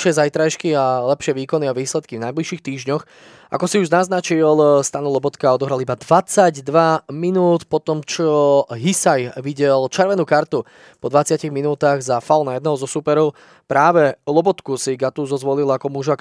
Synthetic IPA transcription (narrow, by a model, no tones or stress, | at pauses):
ʃɪɛzajt̪ɾajʃkialɛpʃɪɛʋiːkɔniaʋiːslɛt̪kivnajbliʃiːxt̪iːʒɲɔx | ʔa̰kɔsiuʒnaznat͡ʃilst̪anulɔbɔt̪kaɔd̪ɔɦɾalibad̪ʋat͡saɟd̪ʋaminuːt̪pɔt̪ɔmt͡ʃɔɦisajʋiɟɛlt͡ʃɛɾʋɛnuːkaɾt̪u | pɔd̪ʋat͡sɪaciɣminuːt̪aɣzafalnajɛd̪nɛɦɔzɔsupɛɾɔʊ | pɾaːʋɛlɔbɔt̪kusiɡat̪uzɔzʋɔlilakɔmuʒak